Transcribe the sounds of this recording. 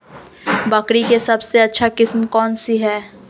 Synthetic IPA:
bɐkɽikesɐbseɐtːʃʰakɪsmkɔːnsiɦɛː

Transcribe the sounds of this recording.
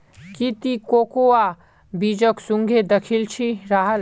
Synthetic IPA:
kit̪ikoːkoa | bid͡ʒəksũŋɡʱed̪ɐkʰilt͡ʃʰiɾaɦəl

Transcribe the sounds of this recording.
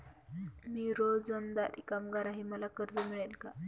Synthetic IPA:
miːɾod͡zənd̪aɾḭkamɡaɾaɦiməlakəɾd͡zəmiɭelka

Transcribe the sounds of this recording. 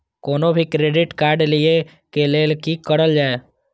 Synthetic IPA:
koːnobʱikɾeːɖɪʈkaːɾɖlie | keleːlkikəɽəld͡ʒaːe

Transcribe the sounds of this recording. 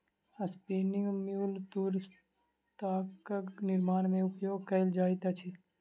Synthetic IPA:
ɐspiːniõmjuːlt̪uːɾs | t̪aːkəknɪɾmaːnmẽʊpjoːɡ̚kɐɪld͡ʒaːit̪at͡ʃʰi

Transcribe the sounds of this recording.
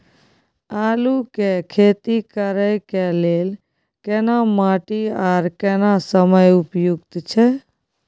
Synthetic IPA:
aːlukekʰet̪ikəɾəjkelel | kenamaʈiaɾkɛnasəməjupjuɡt̪t͡ʃʰɛ

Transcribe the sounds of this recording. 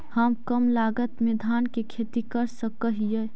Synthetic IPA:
həmkəmlaɡət̪mid̪ʱankekʰet̪ikəɾsəkəɦijə

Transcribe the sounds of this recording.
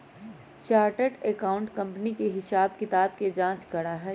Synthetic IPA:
t͡ʃaːɾʈəʈekaːʊ̃ɳʈkɐ̃mpnikeɦɪsaːbkɪt̪aːbked͡ʒãːt͡ʃɡɐɽaɦɛː

